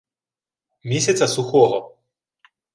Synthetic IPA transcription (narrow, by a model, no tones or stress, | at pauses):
mʲisʲɐt̪sɐsuxɔvɔ